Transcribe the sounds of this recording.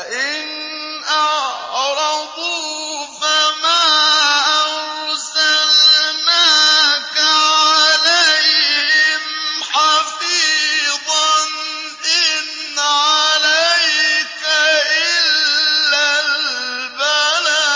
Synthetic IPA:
ʔɪn | ʔɑɾˤɑd̪ˤu | famaːʔɑɾsalmakaʕaalajhɪmħɑfiːðˤɑn | ʔɪnːaʕalajkaʔɪllːall | bala

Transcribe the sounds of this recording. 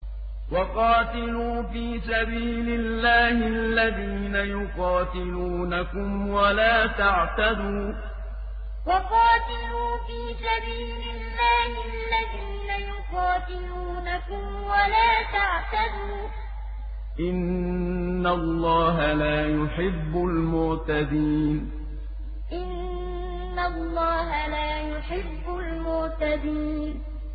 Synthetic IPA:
wɑqɑːt̪ɪluːfiːsabiːlɪlːaːhɪalːaðiːnajʊqɑːt̪ɪluːnakʊmwalaːt̪aʕt̪ad̪uː | wɑqɑːt̪ɪluːfiːsabiːlɪlːaːhɪʔalːaðiːnajʊqɑːt̪ɪluːnakʊm | walaːt̪aʕt̪ad̪uː | ʔɪnː | alːɑːɦalaːjʊħɪbːʊlmʊɾt̪ad̪iːn | ʔɪnː | alˤːɑːɦalaːjʊħɪbːʊlmʊɾt̪ad̪iːn

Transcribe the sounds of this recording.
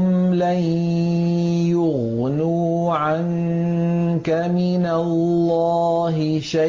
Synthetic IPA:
m | laj | jʊɣ | nuː | ʕaŋ | kamɪnallː | aː | ɦɪ | ʃa

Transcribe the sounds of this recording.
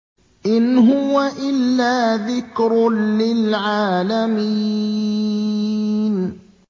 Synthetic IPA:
ʔɪnɦʊwaʔɪlːaːðɪkɾlɪlʕaːlami | n

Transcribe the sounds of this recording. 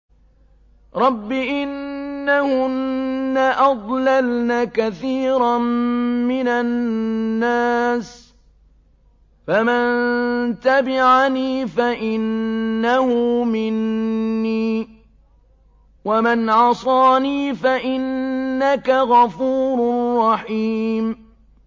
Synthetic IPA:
ɾˤɑbːɪʔɪnːahʊnnːaʔɑd̪ˤlalnaːkaθiːɾa | mɪnaː | aːs | famant̪abɪʕaniːfaʔɪnːahʊmɪnːiː | wamanʕɑsˤɑːniːfaʔɪnːakaɣɑfuːɾrˤːɑħiːm

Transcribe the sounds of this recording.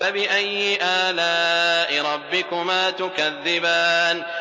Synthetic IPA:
abɪʔajːɪʔaːlaːʔɪɾˤɑbːɪkʊmaːt̪ʊkaðːɪbaːn

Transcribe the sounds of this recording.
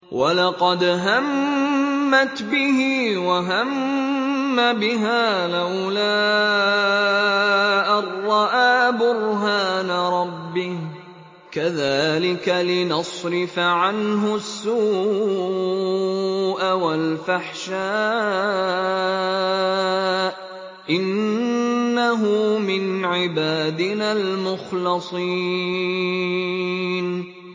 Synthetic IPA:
wʔa̰lɑqɑd̪ɦamː | at̪bɪhɪwaɦamː | abɪɦaːlaw | laː | ʔɑrˤːɑʔaːbʊɾɦaːnaɾˤɑbːɪh | kaðaːlɪkalɪnɑsˤɾɪfaʕanɦʊsːuː | ʔawalfaħʃaː | ʔ | ʔɪnː | aɦʊmɪnʕɪbaːd̪ɪnaːlmʊxlɑsˤiː | n

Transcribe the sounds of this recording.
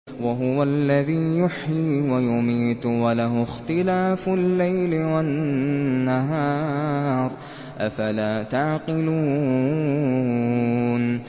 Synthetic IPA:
waɦʊwalːaðiːjʊħjiːwajʊmiːt̪walaɦʊxt̪ɪlaːfʊlːajlɪwanː | aɦɑːɾˤ | ʔafalaːt̪aʕqɪluː | n

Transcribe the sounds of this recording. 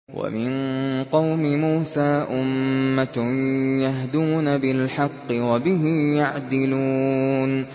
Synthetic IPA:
wa̰mɪnqɑwmɪmuːsaːʔʊmːa | jaɦd̪uːnabɪlħɑqːɨwabɪɦɪjaʕd̪ɪluːn

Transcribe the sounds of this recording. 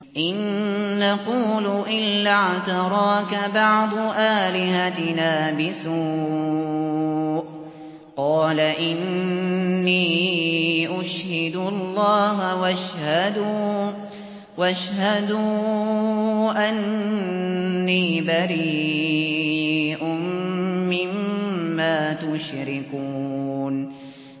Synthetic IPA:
ʔɪnːaquːluʔɪlːaʕt̪ɑɾˤɑːkabɑʕd̪ˤʔaːlɪhat̪ɪnaːbɪsuː | ʔ | qɑːlaʔɪnː | iː | ʔʊʃhɪd̪ʊɑlˤːɑːɦawaʃhad̪u | waʃhad̪u | ʔan | iːbaɾiː | ʔʊmːɪmːaːt̪ʊʃɾɪkuːn

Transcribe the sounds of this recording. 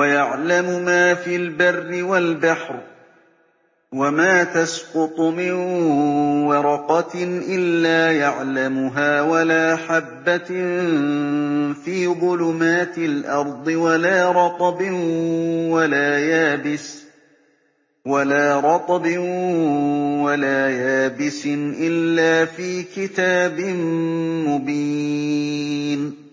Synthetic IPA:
wajaʕlamʊmaːfiːlbarːɪwalbaħɾ | wamaːt̪asqʊt̪ˤʊmɪn | wɑɾˤɑqɑʔɪlːaːjaʕlamʊɦaːwalaːħabːa | fiːðˤʊlʊmaːt̪ɪlʔɑɾˤd̪ˤɨwalaːɾˤɑt̪ˤɑbɪ | walaːjaːbɪs | walaːɾˤɑt̪ˤɑbɪ | walaːjaːbɪsɪnʔɪlːaːfiːkɪt̪aːbɪnmʊbiː | n

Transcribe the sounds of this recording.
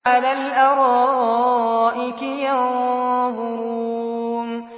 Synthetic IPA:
alaːlʔaɾˤɑː | ʔɪkɪjɑnðˤʊɾuːn

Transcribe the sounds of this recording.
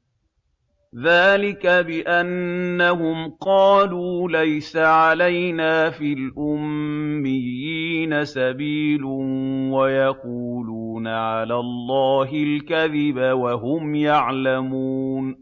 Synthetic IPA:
ðaːlɪkabɪʔanːaɦʊmqɑːluːlajsaʕalajnaːfiːlʔʊmːɪjːiːnasabiːlwajaquːluːnaʕalaːlˤːɑːɦɪlkaðɪbawaɦʊmjaʕlamuːn

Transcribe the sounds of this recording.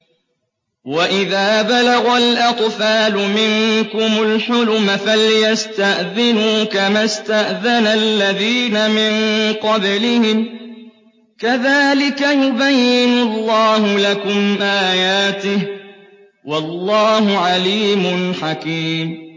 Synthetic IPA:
waʔɪðaːbalaɣalʔɑt̪ˤfaːlʊmɪŋkʊmʊlħʊlʊmafaljast̪aʔðɪnuːkamast̪aʔðanalːaðiːnamɪnqɑblɪhɪm | kaðaːlɪkajʊbajːɪnʊlːɑːhʊlakʊmʔaːjaːt̪ɪh | wɑlːɑːɦʊʕaliːmʊnħakiːm

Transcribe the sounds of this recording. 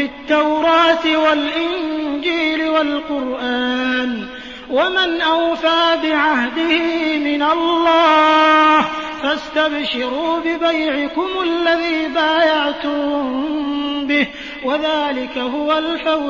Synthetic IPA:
ɪt̪ːawɾɑːt̪walʔɪnd͡ʒiːlɪwalqʊɾʔaːn | wamɪnʔawfaːbɪʕahd̪ɪhimɪnalːɑːhfast̪abʃɪɾuːbɪbajʕɪkʊmalːaðiːbaːjaʕt̪ʊm | bɪh | waðaːlɪkahʊwalfaw

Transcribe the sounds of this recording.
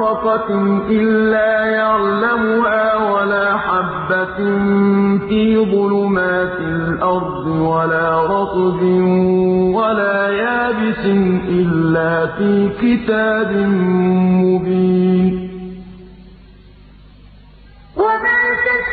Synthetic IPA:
ɑqɑʔɪlːaːjaʕlamʊhaːwalaːħabːanfiːðˤʊlʊmaːt̪ɪlʔɑɾˤd̪ˤɪwalaːɾˤɑt̪ˤbɪ | walaːjaːbɪsɪnʔɪlːaːfiːkɪt̪aːbɪnmʊbiːn | wamaː

